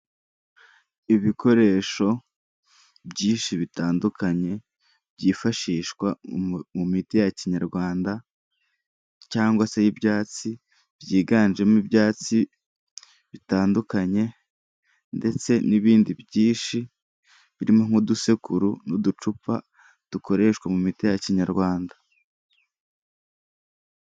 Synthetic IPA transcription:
iβiko̞ɾe̞ːʃo̞ | bɟiːʃiβitaːndukʰaɲe̞ | bjɟiːfaʃiːʃkwamumitijaciɲaɾɡwaːnda | caːŋɡwasejibjaːt͡si | b̥jiːɡaːnʒe̞mibjaːt͡si | βitaːndukaɲe̞ | nde̞t͡se̞niβiːndibjiːʃi | βiɾimo̞ŋ̥uduse̞kuɾunudut͡ʃupa̰ | d̥uko̞ɾe̞ʃkwamumitijaciɲaɾɡwaːnda

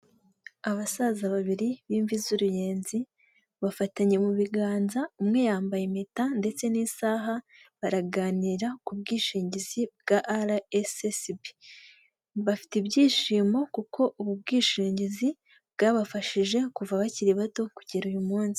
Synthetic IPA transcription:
aβasaːzaβaβiɾiβiːɱvizuɾuje̞ːnzi | βafataɲe̞muβiɡaːnzaumŋe̞jaːmbajemitande̞t͡se̞niːsaːɦa | βaɾaɡaːniɾakubɡiːʃiːɲɟizibɡaʔaɾaesesbi | βafi̥tibɟiːʃiːmo̞kukʰo̞ʔuβub̚ɡiːʃiːɲɟizi | bɡaːβafaʃiʒe̞kuvaβaciɾiβato̞kuɟiɾujumuːnzi

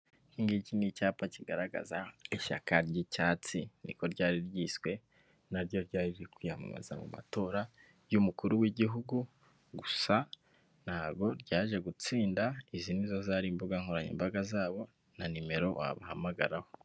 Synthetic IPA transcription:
hiŋɡicinicaːpaciɡaɾaɡa̰zaeʃa̰kʰaɾɟicaːt͡sinḭko̞ɾɟaːɾiɾɟiːswe̞ | naɾɟo̞ɾɟaːɾiɾekwiːhama̰ma̰za̰mṵma̰to̞ːɾa | jumukuɾuwiɟiɦuɡu | ɡusa | n̥haːβɡo̞ɾɟaːʒe̞ɡut͡siːndaizinizazaɾiːmbuɡaŋhoɾaɲḭmbaɡazaːβo̞ | nanime̞ɾo̞wa̰βahamaɡa̰ɾaho̞

